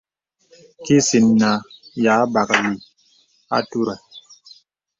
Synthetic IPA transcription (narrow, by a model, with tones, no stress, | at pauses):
ki˦si˨nːa˨ja˨˦ba˨kli˨ | a̰˦tu˦ɾa˨